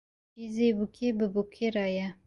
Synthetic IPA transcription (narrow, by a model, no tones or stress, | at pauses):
izebukʰebəbukʰeɾaja